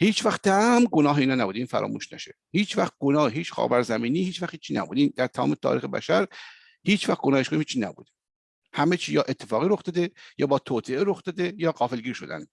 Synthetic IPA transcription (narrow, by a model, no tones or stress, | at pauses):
hiːt͡ʃʰvæxt̪̚d̪æmɡonɒːɦeiːnɒːnæbuːd̪iːnfæ̰ɾɒ̰ːmṵːʃnæʃe | hiːt͡ʃʰvæxt̪̚ɡonɒːheɦiːt͡ʃxɒ̰ːvæɾzæmiːniːhiːt͡ʃʰvæxt̪iːt͡ʃʰːiːnæ̰bṵd̪iːnd̪æɾt̪ʰæmɒ̰ːmet̪ʰɒ̰ːɾiːxebæ̰ʃæɾ | hiːt͡ʃvæxt̪̚ɡonɒːheʃkonimhiːt͡ʃʰːiːnæbṵːd̪e | hæmet͡ʃʰiːjɒːʔet̪ʰːe̞fɒːɣiːɾoxd̪ɒːd̪ejɒːbɒːt̪ʰoːt̪ʰeeɾoxd̪̥ɒːd̪ejɒːɡɒːfelɡiːɾʃo̞d̪æ̰nd̪